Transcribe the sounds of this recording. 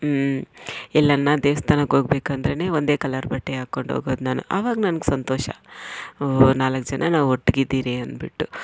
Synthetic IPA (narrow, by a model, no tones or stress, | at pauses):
ɛlːɐnːad̪eːʋɐst̪ʰaːnɐkɦoːɡbeːkɐnd̪ɐɾene̞ːond̪e̞ːkɐlɐɾbɐʈːeɦaːkoɳɖɦo̰ːɡoːd̪naːnṵʔaːʋaːɡɐnɐnɐɡsɐnt̪ɔːʃɐ̰ | naːlɐkːd͡ʒɐnʔɐnaːʋoʈːɡid̪ːiːɾiɐnbiʈːu